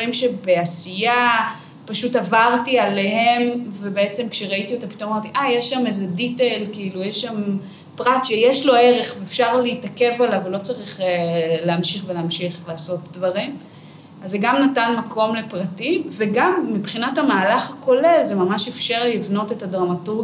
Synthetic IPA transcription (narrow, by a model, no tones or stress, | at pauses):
ʁimʃe̞be̞asija | paʃutavaʁtiale̞he̞mvebeet͡se̞mkʃeʁaitiot̪api̥tomamaʁtiʔajeʃːamezeditelkiilujeʃːam | pʁatʃejeʃlo̞e̞ʁe̞χveːfʃaʁleitake̞valavelo̞t͡saʁiχeleamʃiχveleːmʃiχlaːso̞t̚dvaʁim | azeɡamnatanmakʰo̞mle̞pʁatimveɡamːibχinathamaːlaχako̞le̞lzemamaʃefʃaʁlivno̞te̞tadʁamatuɡ